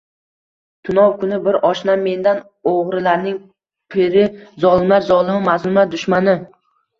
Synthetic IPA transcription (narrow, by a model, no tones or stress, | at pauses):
t̪ʰʊnɒwkʰʊnɪbɪɾʔɒʃnamːe̞nd̪an | oʁɾɪlaɾnɪŋ | pʰɪɾɪzɒlˠɪmlaɾzɒlˠɪmɪmazmʊmlaɾd̪ʊʃmanɪ